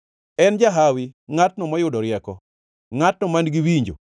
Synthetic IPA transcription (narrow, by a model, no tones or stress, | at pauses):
ɛnd͡ʒaɦawiŋatnɔmɔjʊdɔɾɪɛkɔ̰ | ŋatnɔmanɡiwiɲd͡ʒo̰